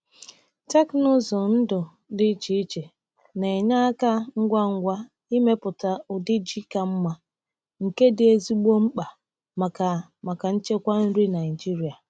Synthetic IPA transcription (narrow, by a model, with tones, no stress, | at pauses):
ta˦knʊ˦zɔ˨n̩˦dʊ˨ | dɪ˦t͡ʃi˦i˦t͡ʃe˨ | ne˨ɲa˦ka˦ŋ̩˦ɡʷa˦ŋ̩˦ɡʷa˦ | i˦me˦pʊ˨ta˨ʊ˨dɪ˦d͡ʒi˦ka˦m̩˦ma˦ | ŋ̩˨ke˦dɪ˨e˦zi˦ɡ͡bo˦ŋ͡m̩˦k͡pa˨ | ma˨ka˨ | ma˨ka˨n̩˦t͡ʃe˦kʷa˦n̩˦ɾi˦na˨i˨d͡ʒi˦ɾi˨a˨